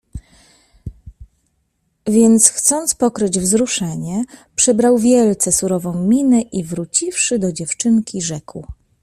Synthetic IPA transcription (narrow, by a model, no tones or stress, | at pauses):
vʲjɛnt̪sxt̪sɔnt̪spɔkɾɘd͡ʑvzɾuʂɛɲɛpʂɛbɾawvʲjɛlt̪sɛsuɾɔvɔ̃w̃mʲinɛʔivɾut͡ɕifʂɘd̪ɔd͡ʑɛft͡ʂɘŋkʲiʐɛkw